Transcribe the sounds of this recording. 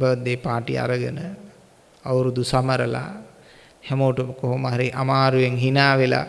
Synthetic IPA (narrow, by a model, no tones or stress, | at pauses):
bəʋəd̪ːeːpaːʈḭa̰ɾəɡənə | ɐwɾud̪usaməɾəla̰ | hɛmoːʈokoɦomaɦaɾiʔamaːɾuʋeŋɦinaːʋela̰